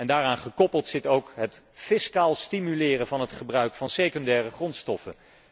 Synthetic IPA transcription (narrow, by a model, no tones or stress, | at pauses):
ɛndaːraːnχəkɔpəlˠtsɪtowkɦət | fɪskaːlˠstimylɪːrənvɑnɦətχəbrœɥkfɑnsejkɔndɛːrəχrɔntstɔfən